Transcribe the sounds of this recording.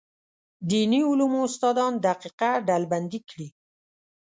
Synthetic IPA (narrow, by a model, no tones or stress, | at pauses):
d̪iniʊlumʊst̪ɑd̪ɑnd̪aqiqaɖalband̪ikɽi